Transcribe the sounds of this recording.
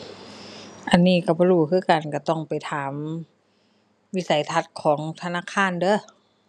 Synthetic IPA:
ʔa˨nːiː˧˩˨ka˧˩bɔ˧luː˧˩kʰɯː˧˥˨ka˨˩nka˧˩t̪ɔ˧˩ŋpa˨˩jt̪ʰaː˨˩˦m | wi˧˥˨sa˨˦jt̪ʰa˧˥t̪̚kʰɔː˩˦ŋt̪ʰa˧naː˧˥˨kʰaː˧˥˨ndɤː˧˩˨

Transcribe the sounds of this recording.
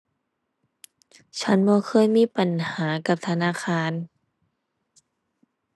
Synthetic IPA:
t͡ɕʰa˦˥nbɔː˧˥˦kʰɤː˧˥˨jmiː˧˥˨pa˨nhaː˩˦ka˧˦p̚t̪ʰa˧naː˧˥˨xʰaː˧˩˨n

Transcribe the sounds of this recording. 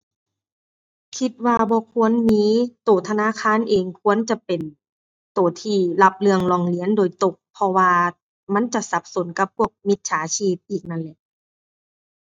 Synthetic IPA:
kʰi˧t̪̚waː˧bɔː˧kʰu˧˥ənmiː˧˥t̪oː˨˩t̪ʰa˧naː˧˥˨kʰaː˧˥˨nʔeː˨ŋkʰu˧˥ənt͡ɕa˧˦pe˨˩n | t̪oː˨˩t̪ʰiː˧la˧p̚lɯ˧əŋlɔː˧˩ŋli˨˦əndoː˨˩jt̪o˧k̚pʰːɔ˧waː˧ | ma˧˥˨nt͡ɕa˧ʔsa˧˦p̚so˨˦nka˧˦p̚pʰu˧˩ək̚mi˧˦t̪̚t͡ɕʰaː˨˦t͡ɕʰiː˧˩p̚ʔiː˨˩k̚na˧˨nlɛ˧˦ʔ

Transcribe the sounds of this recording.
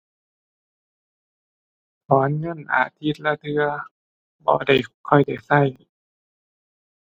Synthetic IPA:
pʰɔː˨˦nŋɤ˧˥˨nʔa̰ː˧˩t̪ʰi˧˥˩t̪̚la˧t̪ʰɯ˧ɐ | bɔ̰ː˧˦da˧˩jkʰɔ˧˩jda˨˩jsa˧˥˩j

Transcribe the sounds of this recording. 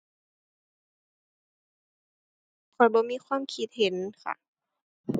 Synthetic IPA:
kʰɔː˨˦jbɔː˧˦miː˧˥˨kʰwaː˧˥˨mkʰi˧˥t̪̚he˨˦nkʰa̰˧˩

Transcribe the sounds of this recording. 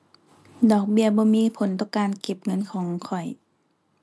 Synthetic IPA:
dɔː˨˩k̚bi˧˨ɐbɔː˧˦miː˧˨pʰo˨˦nt̪ɔː˧˥˨ŋkaː˨nke˧˩p̚ŋɤ˧˥˨nkʰɔː˨˦ŋkʰɔ˨˩j

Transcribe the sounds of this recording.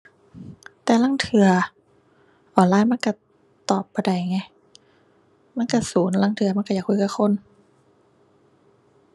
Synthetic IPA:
t̪ɛː˨˩la˧˥˨ŋt̪ʰɯ˨˧˩ɐ | ʔɔː˨˩nlaː˧˥˨jma˧˥˨nka˧˩ | t̪ɔː˨˩pːa˧jda˧˩jŋa˧˩j | ma˧˥˨nka˧˩suː˨˩˦nla˧˩˨ŋt̪ʰɯ˧˦ɐma˥˨ka˧˩jaː˨˩kʰːu˧˨ka˧˩xʰo˧˥˨n

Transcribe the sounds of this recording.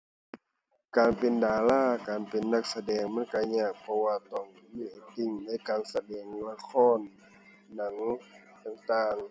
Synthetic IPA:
kaː˨npe˨ndaː˨laː˥˩kaː˨npe˨nːa˧˩k̚sa˧dɛː˨ŋma˧˥˨nka˧˩ɲaː˧˩k̚pʰɔ˧waː˧t̪ɔ˧˩ŋ | miː˧˥ʔa˨˩t̪i˧˩ŋna˧˥˨jkaː˨nsa˧dɛː˨˩ŋla˧˨kʰɔː˧˥˨nː | a˨˩˦ŋ | t̪a˧˩ŋt̪aː˧ŋ

